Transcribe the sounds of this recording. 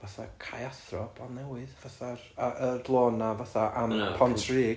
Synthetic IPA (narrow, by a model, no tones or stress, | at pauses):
vaθa̰kʰajaθrɔbanːɛwɪðvaθaraərlˠoːnavaθaʔampʰɔntʰriː